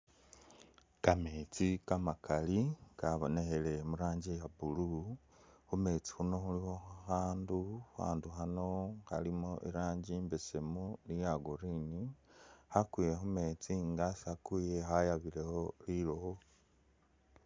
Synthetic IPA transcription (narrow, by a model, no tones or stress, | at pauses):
kamet͡sikamakalikaβonexelemuɾaːɲɟejabulu | xume̞ːt͡si̥huno̞xuliho̞xaxaːnduxa̰ːnduxano̞xa̰limoʔiɾaːɲɟiːmbesemunijaɡoɾinihakwijexume̞ːt͡siŋɡasakijexajaβileho̞liloho